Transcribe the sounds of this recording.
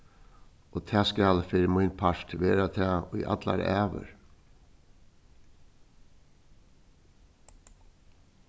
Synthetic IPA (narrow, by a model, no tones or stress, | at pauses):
oːt̪ʰæːskaːlfɪɾmʊjnpʰaɹ̥t̪ʋeːɾat̪ʰaːʊjʔa̰t̪la̰ɾʔæːʋə̰ɹ